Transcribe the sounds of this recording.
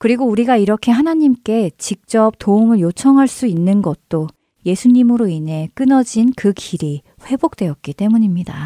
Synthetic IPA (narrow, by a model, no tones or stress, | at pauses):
kɯɾiɡouɾiɡaiɾʌkʰe̞ɦanaɲimk͈e̞t͡ɕik̚t͡ɕ͈ʌp̚t͈oumɯɭjot͡ɕʰʌŋɦaɭs͈uinːɯnɡʌt̚t͈o | je̞sʰuɲimɯɾoinɦe̞k͈ɯnʌd͡ʑinkɯkiɾi | ɸwe̞bok̚t͈we̞jʌt̚k͈it͈e̞muɲimɲida̰